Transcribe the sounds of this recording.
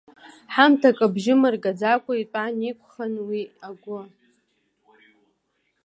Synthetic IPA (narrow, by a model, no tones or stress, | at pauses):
ħamtʰakʼabʒɪmɨrɡad͡zakʷʼaitʷʼanikʷʰʼχanwiaɡʷʊ